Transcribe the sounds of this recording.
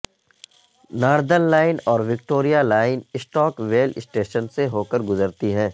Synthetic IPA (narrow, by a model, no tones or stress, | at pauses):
naːɾd̪ənlaːɪnɔːɾʋɪk̚ʈoːɾijalaːɪnɪsʈɔːkʋeːlɪsʈeːʃənseɦoːkəɾɡʊzəɾt̪iɦɛ̃ː